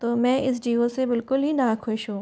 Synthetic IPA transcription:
t̪oːmɛ̃ːʔɪsd͡ʒiːosebɪlkʊlɦinakʰʊʃɦũː

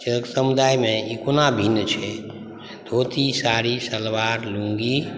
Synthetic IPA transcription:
t͡ʃəksəmud̪ajmẽikonabʱinːt͡ʃʰɛ | d̪ʱot̪isaɾisəlʋaɾlũŋɡi

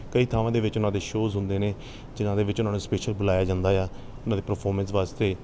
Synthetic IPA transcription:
kəiːt̪ʰaːʋãːd̪eːʋɪt͡ʃʊnãːd̪eːʃoːzɦʊ̃nd̪eːneː | d͡ʒɪnãːd̪eːʋɪt͡ʃʊnaːnũːspeːʃəlbʊlaːjaːd͡ʒãːnd̪aːjaː | ʊnãːd̪eːpəɾpʰɔːɾmənsʋaːst̪eː

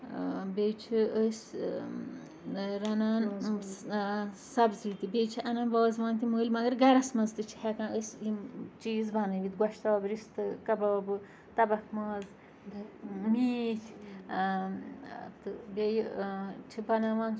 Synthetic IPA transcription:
bʲejt͡ʃʰiəsʲ | ɾɐnaːn | sɐbzit̪ibʲejt͡ʃʰiʔɐnɐːnbaːzʋãːnt̪iməːlʲmɐɡɨɾɡɐɾɐsmɐzt̪ɨt͡ʃʰi̥hɛkãːəsʲimt͡ʃiːzbɐnɨʋit̪ɡwɐʃt̪aːbɾist̪ɨkɐbaːbɨ | t̪ɐbɐkʰmɐːz | miːt̪ʰʲ | t̪ɨbʲejt͡ʃʰibɐnaʋɐn

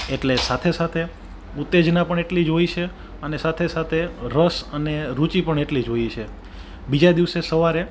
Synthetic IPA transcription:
eʈlesat̪ʰesat̪ʰe | ut̪ːed͡ʒnapəɳeʈlid͡ʒoit͡ʃʰe | ənesat̪ʰesat̪ʰeɾəsəneɾut͡ʃipəɳeʈlid͡ʒojet͡ʃʰe | bid͡ʒad̪iʋsesəʋaɾe

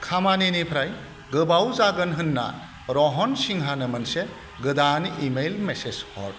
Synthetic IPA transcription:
kʰamaninipʰɾaj | ɡɯbawzaɡɯnɦɯnːa̰ | ɾɔɦɔnsiŋɦanɯmɯnse | ɡɯdanimejlmeseshɔ̰t̚

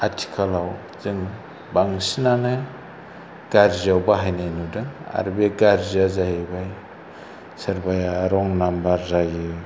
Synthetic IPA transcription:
atʰi̥kʰalaw | zɯŋ | baŋsinanɯ | ɡ̥aɾziawbaɦajnajnudɯŋa̰ɾbeɡaɾziazaɦebaj | sɯɾbajaɾɔŋnambaɾzajɯ

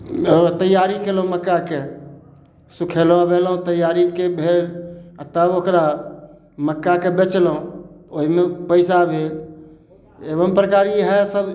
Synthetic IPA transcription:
ɔɾt̪əjaɾikelõməkːake | sukʰel̃ʋelɦõt̪əjaːɾikebʱeːlt̪əbokɾa | məkːakebet͡ʃlõoɦimẽpəɪsabʱeːl | eʋəmpɾəkaːɾiɦɛsəb

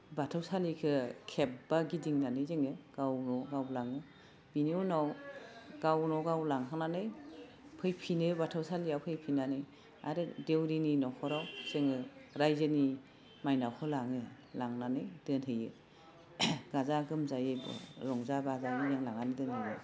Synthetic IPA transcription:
batʰɯwsalikʰɯkʰep̚baɡidiŋnanɯjzeŋɯɡ̥awnɔɡawlaŋɯ | biniɔnaw | ɡ̥awnɔɡawlaŋɦaŋnanɯj | pʰɯjpʰinɯbatʰɯwsaliawpʰɯjpʰinanɯj | a̰ɾɯdewɾininɔkʰɔɾawz̥eŋɯɾajzɯni | majnawkʰɯlaŋɯ | laŋnanɯjd̥ɯnɦɯjɯ | ɡ̥azaɡɯmzajeb̰ɾɔŋzabazajnijeŋlaŋanidɯnhɯjɯ

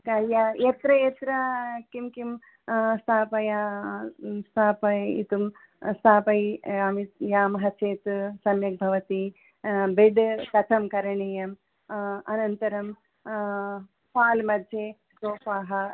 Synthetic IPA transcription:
kɐjajɐt̪ɾɐjet̪ɾɐkimkim | st̪ʰaːpɐja | st̪ʰaːpɐḭt̪um | st̪ʰaːpɐjaːmit̪jaːmɦɐt͡ʃeːt̪sɐmjɐk̚bʱɐʋɐt̪i | beɖt̪ɐt̪ʰɐmkɐɾɐɳeːjɐm | ɐnɐnt̪ɐɾɐm | faːlmɐd̪ʱjeː | soːpaːɦɐ

